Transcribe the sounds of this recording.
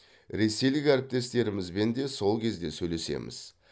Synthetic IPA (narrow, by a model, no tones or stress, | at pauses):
ɾe̞se̞jlɪkʲæɾɪp̚t̪e̞st̪e̞ɾɪmɪzbe̞nd̪e̞so̞lˠkʲʰe̞zd̪e̞sɵjle̞se̞̰mɪ̰z̥